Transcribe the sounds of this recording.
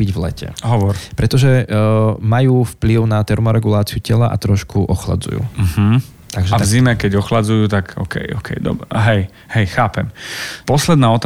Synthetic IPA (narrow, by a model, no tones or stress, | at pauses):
biɟvlɛ̰cɛ̰ɦɔʋɔɾpɾɛt̪ɔʒɛ | majuːfpliʊnat̪ɛɾmɔɾɛɡulaːt͡siucɛlaʔa̰t̪ɾɔʃkuʔɔxla̰d͡zṵjṵːm̩ɦ̩ | t̪aɡʒɛat̪vzimɛkɛɟɔxlad͡zujuːt̪akɔ̰kɛ̰jɔ̰kʰɛ̰jd̪ɔ̰bɾɛɦɛj | hɛjxaːpɛmpɔslɛd̪naːɔt̪ː